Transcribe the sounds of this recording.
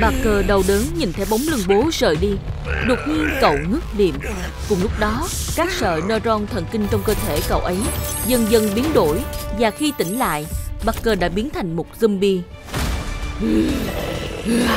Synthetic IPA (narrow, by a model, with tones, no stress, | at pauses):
ɓa˨˩kːəː˧˩ɗə˨˩wɗəː˨˦nɲḭ˨˩nt̪ʰe˨˦wɓa˨˦wŋ͡mlɨ˧ŋɓo˨˦zə̰ː˧˨˩jɗi˧ɗɨ˨˩t̚ŋi˧nkə̰˧˨wŋɨ˦˥k̚nḭ˧˨əm | kʊ̰˧˩ŋ͡mlʊ˦˥k͡p̚ɗɔ˨˦ | kaː˦˥k̚sə̰ː˧˨nəː˧zɔ˧nt̪ʰə̰˧˩nkï˧ŋ̟t͡ɕɔ˧wŋ͡mkəː˧t̪ʰe˧˩kə̰˧˨wʔə˨˦jzə˧nzə˧nɓi˨˦ənɗo˧˩jvaː˨˩xi˧t̪ï˧˩ŋ̟la̰ː˧˨jɓaː˨˧kːəː˧ɗa̰ː˧˥ɓi˨˦ənt̪ʰa˨˩jŋ̟mo˨˩t̚zə˧mɓi˧˨